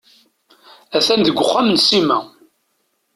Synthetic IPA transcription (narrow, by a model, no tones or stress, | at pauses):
æθænd̪əɡʷːʊχːamnsimæ